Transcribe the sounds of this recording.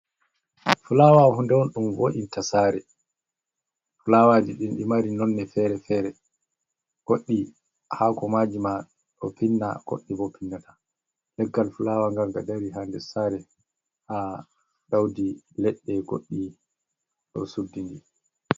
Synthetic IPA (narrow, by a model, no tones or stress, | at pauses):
fulawahundɛwɔnɗumwo̰ʔintasaːɾɛ | fulawad͡ʒiɗinɗimaɾinɔnːɛfɛɾɛfɛɾɛ | ɡ̥oɗːi | haːkɔmaːd͡ʒima | ɗɔ̰pʰinːa̰ɡ̥o̰ɗːibɔpʰinːatʰḁ | lɛɡːalfulawaŋɡaɾɡadaɾiɦandɛsaɾɛ | ha | dawdilɛɗːɛɡo̰ɗːi | ɗɔ̰sudːinɡi